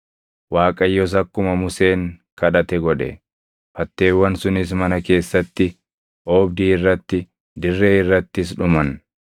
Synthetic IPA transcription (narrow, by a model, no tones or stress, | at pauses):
waːkʼɐjːɔs̬ɐkːʊmɐmʊse̞ːŋkɐᶑɐt̪ɛɡɔᶑɛ̰ | fɐt̪ːe̞ːwːɐnsʊnɪs̬mɐnɐke̞ːsːɐt̪ːɪ | ʔoːbd̪iːɪrːɐt̪ːɪ | d̪ɪrːe̞ːɪrːɐt̪ːɪs̬ᶑʊmɐn